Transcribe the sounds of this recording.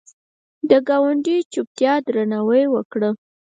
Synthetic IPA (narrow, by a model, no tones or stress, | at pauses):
d̪əɡɑwaɳɖit͡ʃup̚t̪jɑd̪ɾanawəjwəkɽə